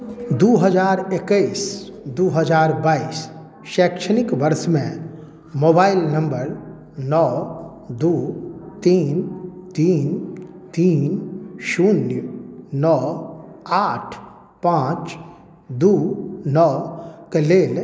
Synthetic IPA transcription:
d̪oːɦəd͡ʒaːɾekəisd̪oːɦəd͡ʒaːɾbaːiːs | ʃɛːkʃənɪkʋəɾsmẽ | moːbaːɪlnə̃mbəɾ | nɔː | d̪oːt̪iːnt̪iːn | t̪iːnʃuːnjənɔː | aːʈʰ | pãːt͡ʃ | d̪oːnɔːkəleːl

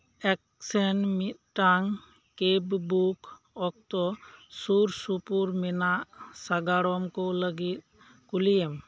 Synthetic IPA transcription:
ɛk̚ | sɛnmit̪̚ʈaŋ | kebbuk | ɔk̚t̪ɔsuɾsupuɾmɛnaʔsaɡaɽɔmkoləɡit̪̚ | kulijem

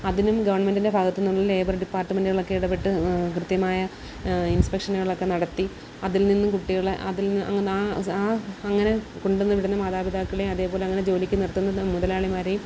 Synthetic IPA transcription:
ɐðinumɡɐʋɐrɳɐmendindebʱaːɡɐt̪ːunːuɭːɐle̞ːbɐrɖipːaːrʈːɐmɐnduɣɐɭo̞kːe̞iɽɐpːeʈːɨkrɨd̪jɐmaːjɐ | inspekʂɐnɨɣɐɭɭo̞kːe̞nɐɽɐt̪ːi | ɐðilninːumkuʈːiɣɐɭeʔɐ̰ðilnːɐ̰ːaːaːɐŋːɐne̞koɳɖenːɨʋiɽunːɐmaːðaːbid̪aːkːɐɭeɐðe̞ːpo̞ːleɐŋːɐned͡ʑo̞ːlikʲːɨnirt̪ːunːɐmuðɐlaːɭimaːɾejum

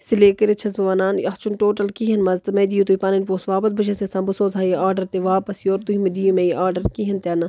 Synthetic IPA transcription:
sileːkɐɾit͡ʃʰɐzbɐʋanaːnjɐxt͡ʃunʈoːʈɐlkiɦɐnmɐzt̪ɐmɐd̪ijut̪uipaːnɐnpoːsʋaːpɐs̬bɐʃ̬ɐsesɐ̃mbɨsoːzaːjiʔaːɾɖɐɾt̪eʋaːpɐsjoːɾt̪uɦimɐd̪ijumejʔaːɾɖɐɾkiɦɐnt̪ʲjɐːnɐ

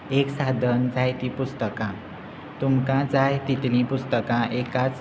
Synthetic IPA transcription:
eksad̪ʱənd͡zajt̪ipust̪əkã | t̪umkãd͡zajt̪it̪lĩpust̪əkãʔekat͡s

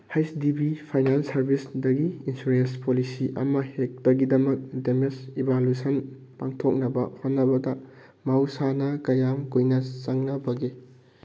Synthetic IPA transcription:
hajsdibipʰajnansɐɾbʱisdɐɡiinsuɾenspolisiʔɐ̰mɐhek̚dɐɡidɐmɐk̚demesibalusɐn | paŋtʰok̚nɐbɐhotnːɐbɐdɐ | mawsanɐkɐjamkujnɐt͡ʃɐŋnɐbɐɡi

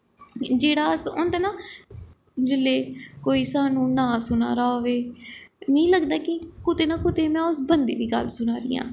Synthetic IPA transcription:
d͡ʒeːɽaːəsʊnd̪aːnaː | d͡ʒɪlːeːkoːiːsaːnũːnãːsʊna̰ːɾaːoʋeːnəĩːləɡd̪aːkɪkʊt̪eːnaːkʊt̪eːmɛ̃ːʊsbənd̪ḛːʋiːɡə̰lsʊnaːɾɪ̰jã̰ː

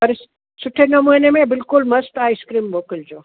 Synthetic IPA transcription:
pɐɾs | sʊʈʰenɐmoːnemẽbɪlkʊlmɐst̪aːiskɾiːmboːkɪld͡ʑoː

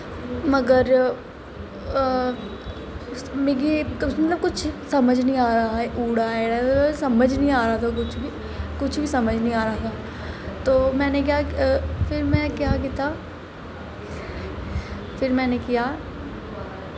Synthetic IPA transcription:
mɐɡəɾ | meːɡimɐt̪ləb̚kʊt͡ʃʰsɐməd͡ʒʱnəɦĩaːɾɐɦaɛʔuːɽaɛɾasɐməd͡ʒnɐɦĩaːɾɐɦat̪ʰak̬ʊt͡ʃʰbʱi | kʊt͡ʃʰbʱisɐməd͡ʒʱnɐɦĩaːɾɐɦat̪ʰaː | t̪oːmɛ̃ːnek̬jafɪɾmɛ̃kjaːk̬it̪aː | fɪɾmɛ̃ːnekija

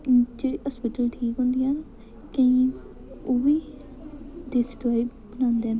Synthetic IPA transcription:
d͡ʒeːɽiːɦɔːspiːʈəlʈʰiːkɦõːnd̪iːan | kə̃ĩ | oːʋiː | d̪eːsɪt̪ʋaːiː | bənãːnd̪eːn

